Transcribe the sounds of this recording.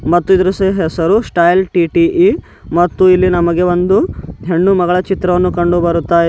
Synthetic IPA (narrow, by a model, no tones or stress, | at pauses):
mɐt̪ːuid̪ɐɾuseɦesɐɾusʈɐjlʈiʈiʔi | mɐt̪ːuilːinɐmɐɡe̞ʋond̪uɦe̞ɳːumɐɡɐɭɐt͡ʃit̪ɾɐʋɐnːukɐɳɖubɐɾut̪ːaːj